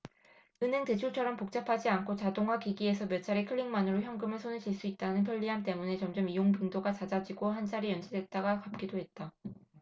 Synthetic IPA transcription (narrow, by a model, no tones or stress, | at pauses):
ɯnɦe̞ŋte̞t͡ɕʰuɭt͡ɕʰʌɾʌmpok̚t͡ɕ͈apʰad͡ʑiankʰot͡ɕadoŋɦakiɡie̞sʰʌmjʌt͡ɕʰaɾikʰɯɭːiŋmanɯɾoçjʌŋɡɯmɯɭsʰoneɭt͡ɕiɭs͈uit̚t͈anɯnpʰjʌʎːiɦant͈e̞mune̞t͡ɕʌmd͡ʑʌmijoŋbiŋdoɡat͡ɕad͡ʑad͡ʑiɡoɦand͡ʑaɾijʌnd͡ʑʰidwe̞t̚t͈aɡakap̚k͈idoɦe̞t̚t͈a